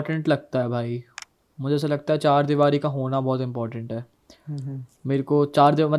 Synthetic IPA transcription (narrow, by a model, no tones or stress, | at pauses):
ʈə̃ɳʈlɐɡ̚t̪aɦɛbʱaːi | mʊd͡ʒʱeɛːs̬alɐɡ̚t̪aɦɛt͡ʃaːɾd̪iʋaːɾikaɦoːnabɔːt̪ɪ̃mpɔːɾʈə̃ɳʈɦɛː | meːɾkot͡ʃaːɾd̪imɐt